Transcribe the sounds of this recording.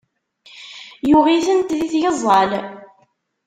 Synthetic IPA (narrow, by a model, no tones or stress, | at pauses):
juʁiθənt̪ðiθjəzˤːɑl